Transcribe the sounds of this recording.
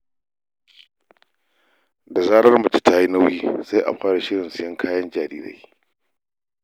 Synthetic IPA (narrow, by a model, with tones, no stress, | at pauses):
da˨zaː˦ɽɐ˦rmɐ˨t͡ʃi˦taː˦ji˦na˦wjiː˦sa˦jʔa̰˨ɸʷaː˦ɽa˨ʃɪ˦ɽɪ˨nsɪ˨jɐ˦ŋkʰaː˦jɐ˦nd͡ʒaː˨ɾḭː˦ɽa̰˦j